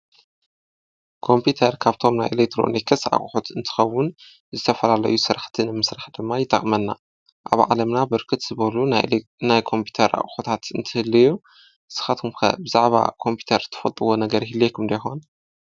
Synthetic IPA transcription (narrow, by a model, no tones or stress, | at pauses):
kʰo̞mpʰit̪ʰɐɾkʰaβt̪ʰo̞mnajʔelek̚t̪ʰɾo̞̰nekʰɐsʕa̰χʼħut̪ɨnt̪ʰɨ̥xɐwːʊn | zɨt̪ʰɐfɐlalɐ̰jusɨɾaħt̪ʰinɨmɨsɾaħd̪ɨmːajɪt̪ʼɐ̰kʼmɐnːa̰ | ʔa̰βʕa̰lɐmnabɨɾkʰɨt̪z̥ɨβɐlunajkʰo̞mpʰu̥t̪ʰɐɾʔa̰χʼxot̪ʰat̪ɨnt̪ʰɨɨhɨlːiju | ɨsɨ̥xat̪ʰumkɐ̰bɨzaʕβa̰kʰo̞mpʰju̥t̪ʰɐɾt̪ʰːɐ̥fɐlt̪ʼɨwo̞nɐɡɐɾɦilːekʰumd̪ɐjxon